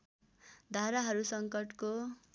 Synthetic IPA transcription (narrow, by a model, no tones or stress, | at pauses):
d̪ʱaɾaɦʌɾusʌŋkʌʈko